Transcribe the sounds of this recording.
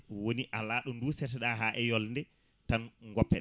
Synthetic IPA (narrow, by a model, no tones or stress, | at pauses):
woniʔalaːɗɔnduːsɛtɛɗaɦaʔɛjɔlndɛ | tanŋɡɔpːɛ